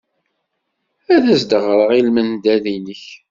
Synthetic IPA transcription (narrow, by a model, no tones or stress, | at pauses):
æðæsd̪əʁɾˤəʁilmənd̪æðinəç